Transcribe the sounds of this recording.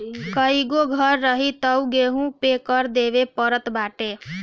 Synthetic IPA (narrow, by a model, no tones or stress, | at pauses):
kəiɡoɡʱʌɾːəɦit̪əwɡeɦũpekəɾd̪ebepəɾət̪baːʈe